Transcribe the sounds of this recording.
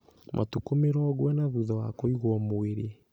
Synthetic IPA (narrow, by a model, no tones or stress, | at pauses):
mʔa̰tukomeɾɔːɣwɛnaβuðɔwakoiɣwɔmoeɾe